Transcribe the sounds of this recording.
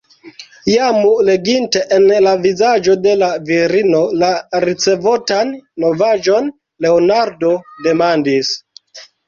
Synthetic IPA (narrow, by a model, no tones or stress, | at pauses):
jamule̞ɡinte̞ʔenlavizad͡ʒo̞de̞laviɾino̞laɾit͡se̞votanːo̞vad͡ʒo̞n | le̞onaɾdo̞de̞mandis